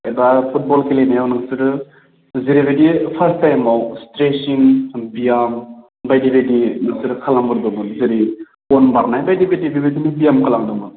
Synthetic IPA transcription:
ebapʰut̚bɔlkʰelenajawnaŋsiɾɯ | ziɾibedipʰɐɾstajmawstɾesinbijam | bajdibedinaŋsiɾkʰalambɯɾdɔmɯnziɾi | ɔnbaɾnajbajdibedibibedinibijamkʰalaŋdɔmɯ

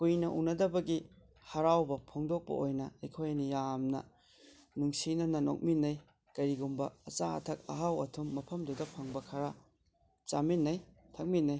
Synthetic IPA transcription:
pujnɐʔṵnɐdɐbɐɡi | hɐɾawbɐpʰoŋdok̚pɐ̰ojnɐɐjkʰojnijamnɐ̰ | nuŋsinɐnɐno̰k̚minːɐj | kɐɾiɡumbɐɐt͡ʃaɐ̰tʰɐk̚ɐ̰ɦawɐtʰumːɐpʰɐmdudɐpʰɐŋbɐkʰɐɾa | t͡ʃaminːɐj | tʰɐk̚minːɐj

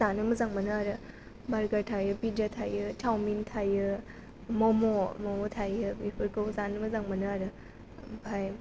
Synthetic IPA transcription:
zanɯmɐzaŋmɐnɯaɾɯ | baɾɡaɾtʰajɯpidatʰajɯtʰawmintʰajɯ | mɔmomɔmɔtʰajɯbipʰɯɾkɯwzanɯmɐzaŋmɐnɯaɾɯ | bʰaj

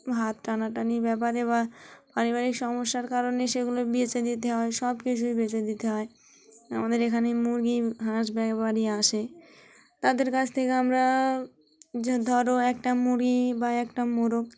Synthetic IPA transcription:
ɦat̪̚ʈanaʈanibɛp̬aɾeβapaɾibaɾikʃɔmoʃːaɾkaɾoneʃeɡulobit͡ɕed̪it̪eɦɔeʃɔbkit͡ɕʰujbet͡ɕed̪it̪eɦɔe | amad̪eɾekʰanemuɾɡiɦãʃbɛkbaɾiaʃe | t̪ad̪eɾkat͡ɕʰt̪ʰekeamɾa | d̪ʱɔɾoɛk̚ʈamuɾɡibaɛkʈamoɾok̚

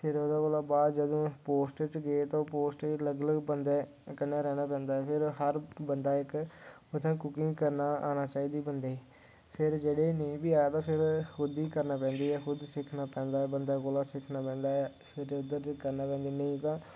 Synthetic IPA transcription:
pʰɪɾoːd̪aːɡoːlaːbaːd̪d͡ʒəd̪õːpoːsʈt͡ʃɡet̪õːpoːsʈləɡləɡbənd̪ɛː | kənːaːɾɛːnaːpɛ̃ːnd̪aːɛːpʰɪɾɦəɾbənd̪aːɪk | ʊt̪ʰãːkʊkɪ̃ŋɡkəɾnaːʔa̰ːnaːt͡ʃaːiːd̪iːbənd̪eː | pʰɪɾd͡ʒeːɽeːnəĩːbiːaːt̪ãːpʰɪɾkʊd̪iːkəɾnaːpɛ̃ːnd̪iːɛːxʊd̪sɪkʰnaːpɛ̃ːnd̪aːɛːbənd̪aːkolaːsɪkʰnaːpɛ̃ːnd̪aːɛ | pʰɪɾʊd̪əɾkəɾnaːpɛ̃ːnd̪iːnəĩːt̪ãː

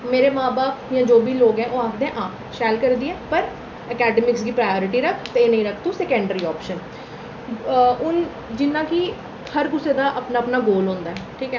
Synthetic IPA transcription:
meːɾeːmãːbaːpjãːd͡ʒoːbiːloːɡɛ̃ːʔoːaːkʰd̪ẽːʔaːp | ʃɛːlkəɾd̪iːɛ̃ːpəɾ | əkɛːɖəmɪksɡiːpɾaːjoːɾɪʈiːɾəkʰt̪eeːnəĩːɾəkʰt̪ũːsɛːkɛ̃ɳɖəɾiːɔːpʃən | ʊn | d͡ʒɪnːãːkɪ | həɾɡʊseːd̪aːʔəpnaːəpnaːɡoːlɦõːnd̪aːɛːʈʰiːkɛː

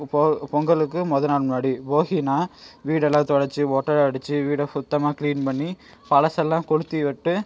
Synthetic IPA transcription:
pɔŋɡɐɭɯkːɯmɔðɐnaːɭmnaːɽipoːɣinaːʋiːɽɛlːãːt̪ɔɽɐɾt͡ʃːɯoːʈːɐɾɐɽɯt͡ʃːɯʋiːɽɐsʊt̪ːɐmaːkliːnpɐɳːi | pɐɻɐsɛlːãːkɔɽɯt̪ːiʋɛʈːɯ

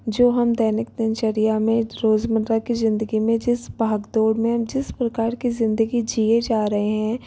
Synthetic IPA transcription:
d͡ʒoːɦɐmd̪ɛːnɪk̚t̪ɪnʃɐɾijamẽɾoːzmənɾakizɪ̃nd̪əɡimẽd͡ʒɪsbʱaːɡd̪oːɽmẽd͡ʒɪspɾɐkaːɾkizɪ̃nd̪əɡid͡ʒied͡ʒaːɾɐɦeɦɛ̃

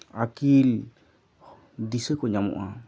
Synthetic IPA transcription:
akil | d̪isəkɔɲamɔ̰ʔa

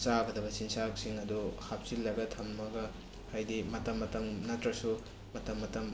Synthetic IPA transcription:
t͡ʃaɡɐdɐbɐsinsak̚siŋɐduhap̚silːajbɐtʰɐmːɐɡɐ | hajdimɐtɐmːɐtɐmnɐtɾɐsu | mɐtɐmːɐtɐm

